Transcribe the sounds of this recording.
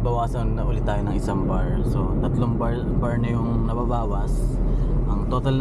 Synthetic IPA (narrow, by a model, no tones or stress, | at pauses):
bɐwaːsɐnnɐʔʊːlɪt̪ːaːjonɐŋʔɪsɐŋbaɹ | so̞t̪ɐt̪loŋbɐ | baɹnɐjʊŋnɐbabaːwɐsʔɐŋt̪ot̪ɐl